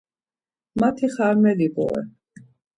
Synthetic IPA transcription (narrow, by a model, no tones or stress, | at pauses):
mat̪ʰiχaɾmɛlibʼɔ̰ɛ̰